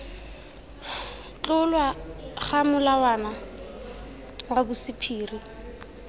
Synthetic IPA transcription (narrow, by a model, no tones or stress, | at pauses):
t͡ɬʼʊlwaχamʊlawana | wabʊsɪpʰiːri